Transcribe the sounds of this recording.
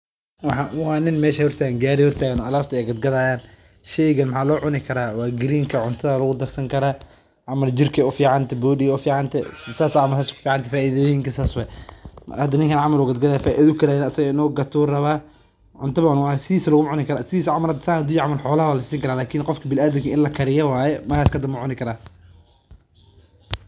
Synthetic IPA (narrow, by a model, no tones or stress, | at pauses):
wɑħɑwɑːnɪnmɛːʃɐhɔrt̪ʰaːɣɛŋɡaːɾɪhɔrt̪ʰaːɣɐnɔːʔɐlaːft̪ʰɐɛɡɐd̪ɡɐðaːjaːn | ʃɛjɣɐnmɐħaːlɔːʕʊnɪkʰɐɾaːwɑːɡɪɾiːŋkʰɐʕʊnt̪ʰɐðalɐɣʊd̪ɐrsɐŋkʰɐɾaː | ʕɑmɐld͡ʒɪrkʰɛʊfiːʕant̪ʰɛbuːɗɪɛʊfiːʕɑnt̪ʰɛsaːsaʕamɐsaːskʰʊ̥fiːʕɑnt̪ɛfaːʔɪðɔːjɪŋkʰɐsaːswɛ | hɐd̪ɐnɪŋkʰɐnʕamɐlʊɡɐd̪ɡɐðaːfaːʔḭðɐʊkʰɐlajnɐsɐɣɐɪnɔːɡɐt̪ʰʊːrɐβaː | ʕʊnt̪ʰɐβɐʕʊnʊːsɪðiːsɐlʊɣʊʕʊnɪkʰɐɾaːsɪiːsɐʕʊmɐɾɐd̪saːhɐd̪ʊjʕamɐlħɔːlɐhɐwaːlɐsiːŋkʰɐɾaːlaːkʰɪnqɔfkʰɐbɪlaːðɪŋkʰɐɪnlɐkʰɐɾɪjɐwaːjɛmɐkʰaːskʰɐd̪ɐmbʊʕʊnɪkʰɐɾaː